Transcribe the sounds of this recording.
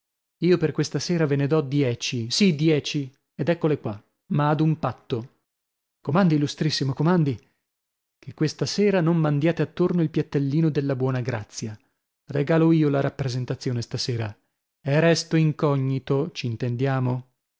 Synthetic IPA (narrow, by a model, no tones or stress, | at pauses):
iːoperkwest̪aseːɾavened̪ɔd̪jɛːt͡ʃisid̪jɛːt͡ʃi | ed̪ɛkːolekwa | maːd̪umpat̪ːo | komand̪ilːust̪ɾisːimokomand̪i | kʰekːwest̪aseːɾanommand̪jaːt̪eat̪ːornoilpjat̪ːelːiːnod̪elːabwɔːnaɡɾat̪sːja | reɡaːloiːolaɾapːɾezent̪at̪sːjoːnest̪aseːɾa | ɛrɛst̪oiŋkɔɲːit̪ot͡ʃiːnt̪end̪jaːmo